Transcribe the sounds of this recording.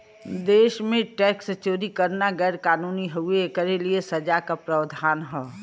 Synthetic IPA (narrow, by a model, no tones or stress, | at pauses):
d̪eːʃmẽʈɛːkst͡ʃoːɾikəɾnaɡɛɾkaːnuːniɦʊekəɾeliesɐd͡ʒakapɾəʋd̪ʱaːnɦɛː